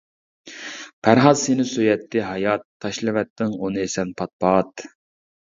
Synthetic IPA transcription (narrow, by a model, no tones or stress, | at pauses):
pʰæɾɦɑzsenɪsøjɛt̪ʰːɪɦɑjɑt̪ʰːɑʃlˠɪvɛt̪ːɪŋonɨesɛnpʰɑt̪̚pɑt̪